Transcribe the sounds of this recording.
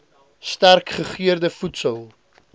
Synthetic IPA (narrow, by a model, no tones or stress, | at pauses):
stærkχəχiərdəfutsəlˠ